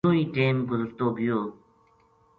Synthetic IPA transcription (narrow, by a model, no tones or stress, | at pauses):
oːiːʈeːmɡʊzəɾt̪oːɡijoː